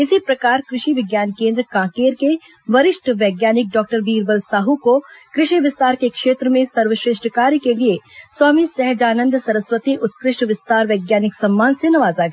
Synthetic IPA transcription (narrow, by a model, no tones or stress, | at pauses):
ɪsipɾɐkaːɾkɾɪʃiʋɪɡjaːnkẽːnd̪ɾəkãːkeːɾke | ʋɐɾɪʃʈʰʋɛːɡjaːnɪk̚ɖɔːk̚ʈəɾbiːɾbəlsaːɦukokɾɪʃiʋɪst̪aːɾkekʃeːt̪ɾəmẽsɐɾʋəʃɾeːʃʈəkaːɾjkelieswaːmisɛɦd͡ʒaːnə̃nd̪ʱsɐɾəsʋət̪iʔʊt̪̚kɾɪʃʈʋɪst̪aːɾʋɛːɡjaːnɪksɐmːaːnsenɐʋaːzaɡɐ